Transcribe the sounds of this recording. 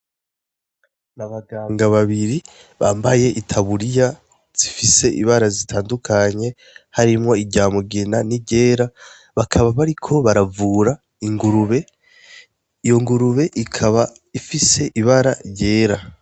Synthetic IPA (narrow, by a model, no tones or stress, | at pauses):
naβaɡaːŋɡaβaβiɾi | βaːmbaje̞ʔitʰaβuɾija | z̥ifise̞ʔḭβaɾazitʰaːndukʰaɲe̞ | haɾimŋo̞iɟaːmuɡenaniɟe̞ːɾa | βakʰaβaβaɾikʰo̞βaɾavuːɾa | iŋɡuɾuβe̞ | ijo̞ŋɡuɾuβe̞ʔikʰaβa | ifise̞ʔiβaɾaɾɟe̞ːɾa